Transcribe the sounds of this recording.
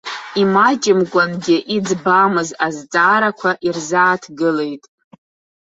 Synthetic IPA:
imat͡ʃʼɪmɡʷʼanɡʲɪʔid͡zbamɨzazt͡sʼaːɾakʷʰaʔirzaːtʰɡɨle̞jtʼ

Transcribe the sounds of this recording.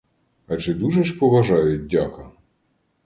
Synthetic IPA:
ɐt͡ʃɛd̪uʒɛʃpɔʋɐʒɑjʊt̚ʲdʲakɐ

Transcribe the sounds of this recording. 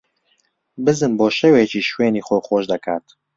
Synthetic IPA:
bɨzɨmboːʃɛweːt͡ʃiːʃweːniːxʷoxoːʃd̪ɐkʰa̰ːt̪

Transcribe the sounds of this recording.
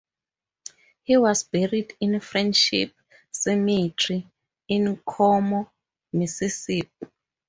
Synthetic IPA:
hiwɔzbɛɹidĩnfrɛ̃ndʃḭp | sɛmitʰri | ĩnkʰɔmɔ | misisip̚

